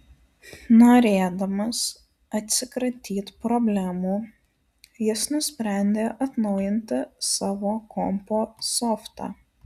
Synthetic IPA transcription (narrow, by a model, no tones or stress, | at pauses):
noːɾʲeːd̪ɐmɐs | ɐt̪ʲsʲɪkɾɐt̪ʲiːt̪pɾɔbʲlʲæmuː | jɪsnʊsʲpʲɾʲæˑnʲd̪ʲeːʔɐt̪nɐʊjɪnʲt̪ʲɪsɑːʋoːkɔmpoːsɔft̪ɑ̰ː